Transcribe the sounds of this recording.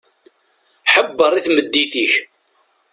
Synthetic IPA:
ħəbːəɾˤiθməd̪ːiθiç

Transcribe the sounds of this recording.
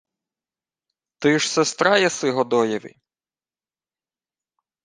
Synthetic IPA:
t̪ɪʃsɛst̪ɾɑjɛsɪɦɔd̪ɔjɛʋɪ̰

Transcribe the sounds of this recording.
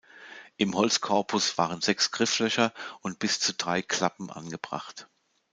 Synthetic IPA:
ʔɪmhɔlt͡skʰɔɐpʰʊsv̥a̰ːʁ̞ənzɛksɡ̥ʁɪflœçɐʔʊntb̥ɪst͡sudʁaɪkl̥apm̩ʔa̰nɡəbʁa̰χt

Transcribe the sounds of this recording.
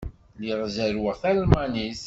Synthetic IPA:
liʁzæɾwəʁθælmanis

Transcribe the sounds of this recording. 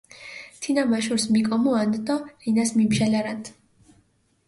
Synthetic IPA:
t̪ʰinamaʃuɾsmikʼɔmɔand̪d̪ɔɾinasmimʃalaɾat̪ʰ

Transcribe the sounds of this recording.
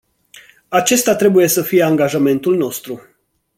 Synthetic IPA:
at͡ʃe̞st̪at̪ɾe̞buje̞səfije̞aŋɡaʒame̞nt̪ulno̞st̪ɾu

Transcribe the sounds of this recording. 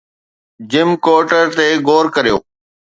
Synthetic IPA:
d͡ʑɪmkoːʈəɾt̪eːɡoːɾkəɾijo̰ː

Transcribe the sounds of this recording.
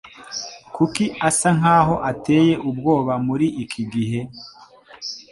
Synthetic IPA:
kukiasaŋ̥aːɦo̞ʔate̞ːje̞ʔubɡo̞ːβamuɾiʔikʰiɡiɦe̞

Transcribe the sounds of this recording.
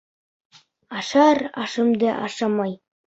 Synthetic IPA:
ɑʃɑɾɑ̰ʃɤmd̪ɑʔɑʃɑmɑj

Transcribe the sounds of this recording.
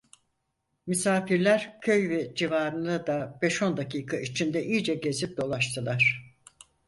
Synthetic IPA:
mysaːfiɾlʲæɾcʰø̞jvɛd͡ʒivaːɾɯnd̪ad̪ab̥ɛʃo̞nd̪aciːkʰait͡ʃʰind̪ɛʔiːd͡ʒɛɟe̞zip̚d̪o̞lˠaʃt̪ʰɯlˠaɾ̥

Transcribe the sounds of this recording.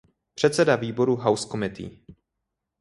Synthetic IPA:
pr̥ɛt̪sɛdaviːbo̞ɾuɦawskomɪt̪ḭː

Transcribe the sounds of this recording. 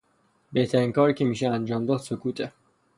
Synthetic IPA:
beht̪ʰæɾiːŋkɒːɾikcʰemiːʃeænd͡ʒɒːmd̪ɒːd̪sokʰuːt̪ʰe

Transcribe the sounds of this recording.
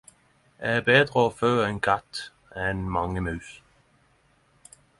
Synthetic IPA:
ɛ̰æːbeːd̪ɾəoːføːɛɪnkʰat̪ | ɛnmɑŋːəmʉːθ

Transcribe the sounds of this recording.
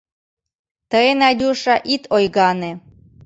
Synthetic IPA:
t̪əenɑdʲuʃɑʔit̪ʰojɣɑne

